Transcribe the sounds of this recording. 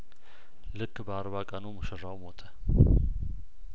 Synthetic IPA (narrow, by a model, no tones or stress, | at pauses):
lɨkʰːbəaɾβakʼənuməʃəɾawmot̪ʰʼə